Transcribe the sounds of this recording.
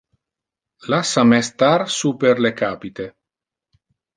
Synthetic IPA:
lasamɛst̪aɾsupeɾlekaːpit̪e

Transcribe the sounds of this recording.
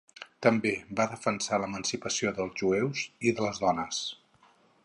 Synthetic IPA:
t̪əmbebaðəfənsaləmənsipəsioðəlˠzʒuɛwziðələzðɔnəs

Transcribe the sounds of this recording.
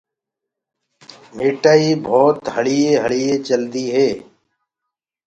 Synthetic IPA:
meːʈaːiːbʱoːt̪həɽiːeːɦəɭiːeːt͡ʃəld̪iːɦeː

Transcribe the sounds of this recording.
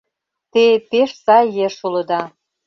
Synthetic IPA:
t̪epeʃsɑjjeʃulɤ̆d̪ɑ

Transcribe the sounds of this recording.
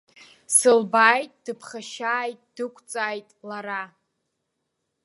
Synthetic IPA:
sɨlbaːjtʼd̥ɨpʰχaʃaːjtʼd̥ɨkʷʼʰt͡sʼaːjtʼlaɾa

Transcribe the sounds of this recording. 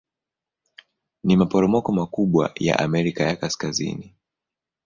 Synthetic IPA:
nimapɔɾɔmɔkɔmakuɓwa̰ja̰ʔamɛɾikajakaskazḭni

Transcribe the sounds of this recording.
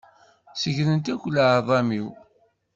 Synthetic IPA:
səʝɾənt̪ækʷːlʕðˤɑmiw

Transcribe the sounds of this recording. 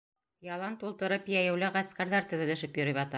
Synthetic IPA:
jɑlˠɑnt̪ulˠt̪ɤ̆ɾɤpjæjæ̆wlɘʁæskæɾðæɾt̪ɵ̆ðɘ̆lɘ̆ʃɘpjɵ̆ɾɤβɑt̪ɑ

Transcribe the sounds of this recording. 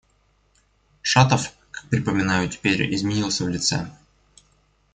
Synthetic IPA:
ʂat̪əf | kḁk̚pɾʲɪpəmʲɪnajʊtʲɪ̥pʲeɾʲɪ̰zmʲɪnʲilˠsʲəvlʲɪt̪sɛ̰

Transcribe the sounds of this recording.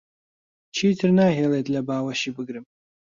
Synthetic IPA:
t͡ʃʰiːtʰɨrnaːɦeːlet̪lɐbaːwɐʃibɨɡɾɨm

